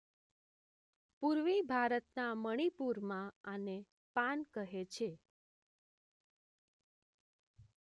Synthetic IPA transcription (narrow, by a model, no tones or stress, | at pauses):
puɾʋibʱaɾət̪naməɽ̃ipuɾmãane | pankəɦet͡ʃʰe